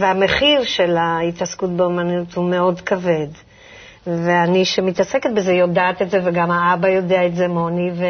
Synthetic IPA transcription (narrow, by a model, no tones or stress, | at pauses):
veame̞χiʁʃe̞lait̪askut̚beomanut̪humeo̞dkave̞d | veaniʃemit̪aseket̪̚bezejo̞daːt̪etzeveɡamhaabajo̞deaetze̞mo̞nive